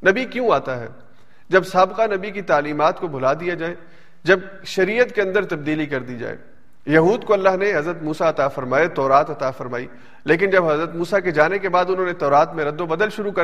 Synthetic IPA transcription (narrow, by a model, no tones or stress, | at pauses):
nɐbikjũaːt̪aɦɛ̰ː | d͡ʒɐbsaːbqanɐbikit̪aːliːmaːt̪kobʱʊlaːd̪ijad͡ʒaːe | d͡ʒɐb | ʃɐɾiːjət̪keɐ̃nd̪əɾt̪ɐb̚d̪iːlikɐɾd̪id͡ʒa̰ːḛː | jɐɦuːd̪koɐlːaːɦneɦɐzɾət̪muːsaɐt̪afɐɾmaːet̪ɔːɾaːt̪ɐt̪afɐɾmaːḭː | leːk̬ɪnd͡ʒɐbɦɐzɾət̪muːsaked͡ʒaːnekebaːd̪ʊnɦõːnet̪ɔːɾaːt̪mẽɾɐd̪ːobɐd̪əlʃʊɾukɐ